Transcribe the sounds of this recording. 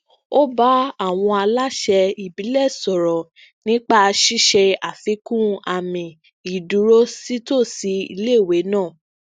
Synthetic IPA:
o˦ba˦a˦˨w̃ɔ̃˧a˧la˦ʃɛ˧i˨bi˨˦lɛ˦˨sɔ˨ɾɔ˨ | nĩ˦k͡pa˦˧ʃi˦ʃɛ˧a˨fi˨˦kũ˦a˨mĩ˨ | i˨du˨˦ɾo˦si˦to˦˨si˧˦ḭ˧le˦˨we˨˦nãː˦˨

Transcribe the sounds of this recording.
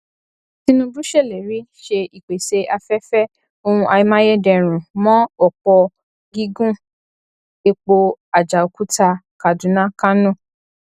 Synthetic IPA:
ti˧nũ˧bu˦ʃe˦˨le˨ɾi˨˦ʃe˧i˨k͡pe˨se˧ʔa˧fɛ˦fɛ˦ | o˧ũ˧ʔa˧i˧˦mã˦je˦dɛ̃˧ɾ̃ũ˨mɔ̃˦ɔ˨k͡pɔ˧ | ɡi˦ɡũ˦ | e˧k͡po˧a˨d͡ʒa˨o˨ku˦ta˧ | ka˨dũ˨˦nã˦ka˦nũ˦˨

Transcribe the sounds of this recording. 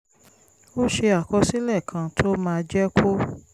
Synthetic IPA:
o˦ʃe˧a˨kɔ˧si˦lɛ˦˨kʰã˧tʰo˦mãː˧d͡ʒɛ˦kʰo˦

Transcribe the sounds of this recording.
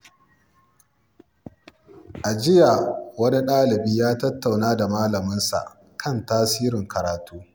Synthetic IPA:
ʔa˨d͡ʒɪ˦ja˨wɐ˦ni˦ɗaː˦lɪ˨biː˦jaː˦tɐ˦tːa˨wnaː˦da˨maː˦lɐ˨mɪ˦nsa̰˨ʔ | kʰɐ˦˨ntaː˦siː˦ɾɪ˨ŋkɐ˨ɾaː˨tuː˦

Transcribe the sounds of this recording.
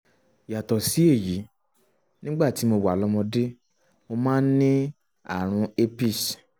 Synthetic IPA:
ja˨tɔ˨si˨˦e˦˨ji˨˦ | nĩ˦ɡ͡ba˦˨ti˨˦mo˧wa˨lɔ˦mɔ̃˧de˦ | mo˧mãː˦n̩˦nĩ˦ | a̰˦˨ɾ̃ũ˧e˦pi˦˨s

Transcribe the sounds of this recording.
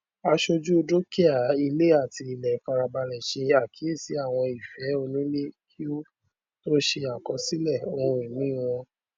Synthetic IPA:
a˧ʃo˧d͡ʒu˦o˧do˦ki˦a˨i˧le˦a˦˨ti˧i˧˨lɛ˨˦fa˧ɾa˧ba˧lɛ˨ʃe˧a˨kʰi˨˦e˦˨si˨˦a˦˨w̃ɔ̃˧i˨fɛ˨˦o˧nĩ˦le˦ki˦o˦ | to˦ʃe˧a˨kɔ˧si˦lɛ˦˨o˨˧ɾĩ˨nĩ˨˦˨w̃ɔ̃˧

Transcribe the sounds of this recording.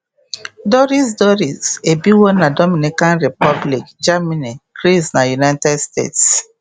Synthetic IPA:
dɔ˦ɾi˦sdɔ˦ɾi˨ze˨bi˦wɔ˦na˨dɔ˦mi˨ni˨kã˦nɹi˨pɔ˦bli˨kd͡ʒa˦mi˦ni˨ɡ̥ɹi˦sna˨ju˨na˦jtɛ˦dstḛ˦ts

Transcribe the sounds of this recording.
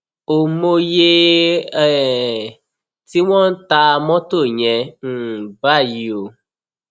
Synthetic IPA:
o˨mo˧je˧ɛ˦˨ | ti˦w̃ɔ̃˦n̩˦ta˧mɔ̃˦to˦˨ɲɛ̃˧n̩˦˨ba˦˨ji˨o˨

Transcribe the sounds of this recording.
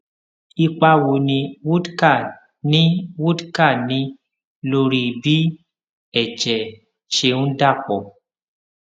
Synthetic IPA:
i˧k͡pa˧wo˨nĩ˧wu˦dka˦˨ | nĩ˦wu˦dka˦˨nĩ˨˦ | lo˧ɾi˧bi˦ | ɛ˦˨t͡ʃɛ˨ | ʃe˧nũ˦da˦˨k͡pɔ˨

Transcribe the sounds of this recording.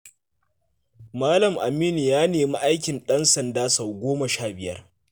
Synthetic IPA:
maː˦lɐ˨mʔa̰˨miː˦ni˨jaː˦neː˨mi˦ʔa˦jkʲɪ˨nɗɐ˦nsɐ˨ndaː˦sa˨wɡʷoː˦mɐ˨ʃaː˦˨bɪ˨jɐ̰˦r

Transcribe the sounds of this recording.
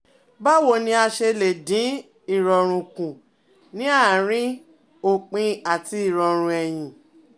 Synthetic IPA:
ba˦wo˨nĩ˧a˧ʃe˧le˨dĩ˨˦ | i˦˨ɾɔ˨ɾ̃ũ˧kũ˨ | nĩ˦a˦˨ɾ̃ĩ˦ | o˦˨k͡pĩ˧a˨ti˧i˦˨ɾɔ˨ɾ̃ũ˧ɛ˨j̃ĩ˨

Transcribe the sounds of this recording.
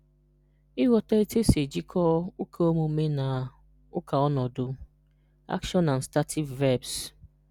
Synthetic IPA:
i˦wɔ˨ta˦e˦te˦se˨d͡ʒi˦kʰɔ˦ʊ˦kʰe˦o˦mu˨˦me˦na˨ | ʊ˦kʰa˨ɔ˦nɔ˨do˨ | a̰˦kʃɔ˦na˨n̩˨sta˦tʰi˦vɛ˦˨bs

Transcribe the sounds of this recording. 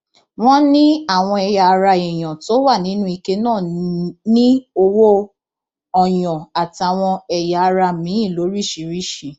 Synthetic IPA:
w̃ɔ̃˦nĩ˦a˦˨w̃ɔ̃˧ɛ˧ja˧ɾa˧i˨j̃ɔ̃˨to˦wa˦˨nĩ˨˦nũ˦i˧ke˦nãː˦˨nĩ˦o˧wo˦ | ɔ˨jɔ̃˨a˨ti˨a˨w̃ɔ̃˧ɛ˨ja˧ɾa˧mĩ˨˦ĩ˦˨lo˨˦ɾi˦˨ʃi˨˧˦ɾi˦˨ʃi˨˧

